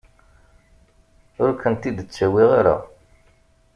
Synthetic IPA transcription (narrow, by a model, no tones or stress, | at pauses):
ʊɾkənt̪id̪ət͡sːæwiʁaɾa̰